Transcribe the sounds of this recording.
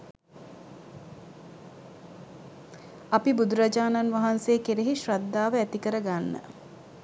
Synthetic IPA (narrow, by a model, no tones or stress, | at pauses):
apibud̪uɾad͡ʒaːnanʋaɦanseːkeɾeɦiʃrad̪ːaːʋəæt̪ikəɾəɡanːə̰